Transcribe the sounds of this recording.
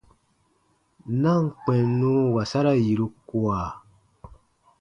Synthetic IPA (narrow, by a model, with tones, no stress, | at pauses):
nã˦˨ŋ˨k͡pɛ̃˨nːũ˦wa˨sa˦ɾa˦ji˨ɾu˦ku˦a˨